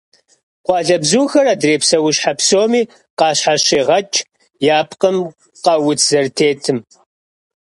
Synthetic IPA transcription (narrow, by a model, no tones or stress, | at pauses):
qʷɑːɮɐbzuːxɐraːdreːpsɐwʊʃħapsoːmiː | qɑːɕħaɕeːʁɐt͡ʃʼ | jaːpʰqəm | qɐwʊt͡sʰz̥ɐrtʰeːtʰɨm